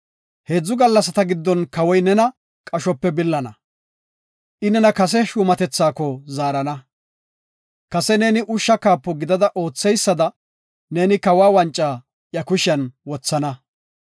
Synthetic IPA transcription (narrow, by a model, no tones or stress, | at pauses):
he̞ːd͡zːʊɡɐlːɐsɐt̪ɐɡɪd̪ːɔnkɐwɔjnɛnɐ | kʼɐʃɔpːɛbɪlːɐnɐ | ʔɪnɛnɐkɐs̬ɛʃuːmɐt̪ɛt͡sːaːkɔzaːɾɐnɐ | kɐsɛne̞ːnɪʔʊʃːɐkaːpːɔɡɪd̪ɐd̪ɐʔo̞ːt͡sːɛjsːɐd̪ɐ | ne̞ːnɪkɐwaːwɐnt͡ʃʼːaː | jɐkʊʃɪɐnwɔt͡sːɐnɐ